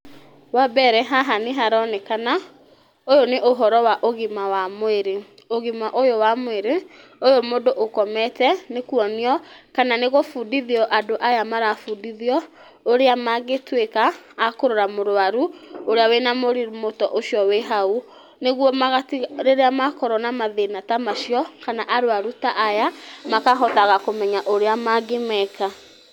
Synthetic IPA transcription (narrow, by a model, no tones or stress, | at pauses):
wabɛɾɛɦaɦaneɦaɾɔnekana | ojoneʔoɦɔɾɔwaʔoɣimawamoeɾe | oɣimaʔojowamweɾe | ojomodoʔokɔmɛtɛnekuɔniɔkananeɣofuːdiðiɔʔadoʔajamaɾafuːndiðiɔ | oɾeamaɣetwekaː | koɾoɾamoɾoaɾuoɾeawenamoɾiɾumotɔʔoʃjɔweɦau | neɣwɔmaɣatiɾeɾeamakɔɾɔnamaðenatamaʃjɔkanaʔaɾoaɾutaʔːjamakaɦɔtaɣakomɛɲaʔoɾeamaɡemɛka